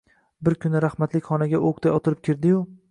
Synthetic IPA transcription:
bɪɾkʲʰʊnɪɾahmat̪lɪkʲχɒnaɡʲaʔokt̪ʰajɒt̪ʰɪɾɪp̚kʲʰɪɾd̪ɪjʊ

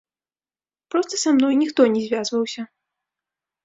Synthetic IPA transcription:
pɾɔst̪ɐsamnɔjnʲixt̪ɔnʲɛzʲvʲjazvɐwsʲɐ

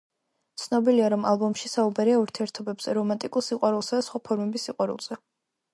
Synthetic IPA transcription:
t̪sʰnɔbiliaɾɔmalˠbɔmʃisaubaɾiauɾt̪ʰiɛɾt̪ʰɔbɛbsɛɾɔmant̪ʼikʼulˠsiqʼwaɾulˠsad̪asχwapʰɔɾmɛbisːiqʼwaɾṵlˠz̥ɛ

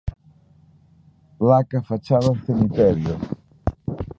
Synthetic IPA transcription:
plakafat͡ʃaβãsemit̪ɛɾjo

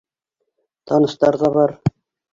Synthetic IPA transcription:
t̪ɑnɤ̆st̪ɑɾðɑβɑɾ

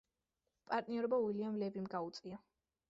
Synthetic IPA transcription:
pʼaɾt̪ʼniɔɾɔbauwiliamlɛvimɡaut̪sʼia

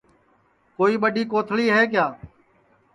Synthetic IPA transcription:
koːiːɓəɗiːkoːt̪ʰɭiːɦɛːk̬jaː

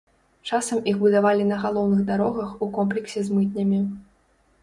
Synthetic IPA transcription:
t͡ʂasɐmixbud̪avalʲinɐɣalˠɔwnɨɣd̪aɾɔɣɐxukɔmp̬lʲɛksʲɛzmɨt̪̚nʲɐmʲi

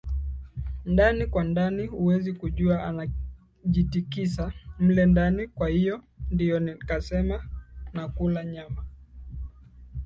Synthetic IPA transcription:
ndanikwandanihuwɛzikuʄuaana | ʄitikisam̩lɛndanikwahijɔ | ndijɔnikasɛmanakulaɲama

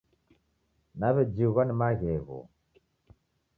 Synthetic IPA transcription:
naβɛd͡ʒiɣanimaɣɛɣɔ̰

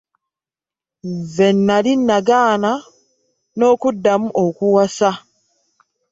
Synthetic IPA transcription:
zenːalinːaɡaːna | no̞ːkudːamuʔokuwasa

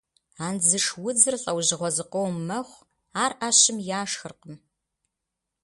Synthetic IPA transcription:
aːnzɨʂwʊd͡zɨrɬʼɐwʑɪʁʷɔzɨqʷowmɐχʷ | aːrʔaɕɪmjaːʂxɨrqəm

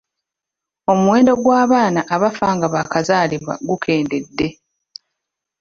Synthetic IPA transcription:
o̞muwe̞ːndo̞ɡwaːβaːnaʔaβafaːŋɡaβakazaːliβwa̰ɡukʰe̞ːnde̞dːe̞

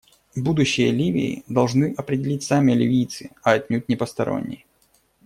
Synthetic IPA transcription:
bud̪ʊɕːɪjəlʲivʲɪ̰ːd̪ɐlˠʐnɨʔɐpɾʲɪdʲɪlʲitʲsamʲɪlʲɪvʲijt̪sɨɐɐt̪ʲnʲut̚ʲnʲɪpəst̪ɐɾo̞̰nʲːɪ̰j

